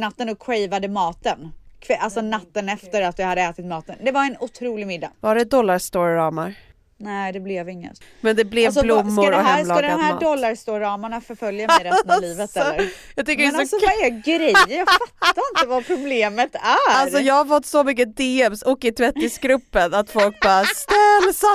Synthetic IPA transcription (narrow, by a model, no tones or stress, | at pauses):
nat̪ːənɔkʰwɛjvad̪əmɑːt̪ənkʰvɛalsɔnat̪ːənɛft̪əɾat̪vɪhad̪ːəɛːt̪ɪt̪mɑːt̪ənd̪ɛvaɾɛnʊt̪ʰɾuːlɪɡmɪd̪ːa̰vaɖɛd̪ɔlːaɾst̪oːɾːɑːmaɾ | nɛd̪ɛblɛvɪŋːə̰t̪mɛnd̪ɛblɛvsblʊmːʊɾɔɛlad̪mhæːdɔlːaɾst̪oːɾɑːmaɳafœɾfœljamɛɾɛnliːvət̪ɛəjɑt̪ʏkːəɾɛɔɡɾɛjjafat̪ːaɾɪnt̪əvapʰɾʊbleːmət̪æalsɔjɑːɡhaɾfɔt̪ːsɔmʏk̬ːəd̪eːɛmsɔkːɪt̪ʰvɛt̪ːɪsɡɾɵpːənat̪fɔlk̚bɑːɾast̪ɛlːsa